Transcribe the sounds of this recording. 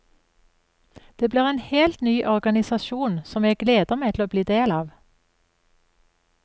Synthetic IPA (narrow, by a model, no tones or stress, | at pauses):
d̪̥eːbliːʁeːnheːlt̪nyːʔɔʁɡɑnɪsɑʃuːnsɔmjɛɡleːd̪əʁmɛt̪ʰl̩oːbliːd̪eːlɑːʋ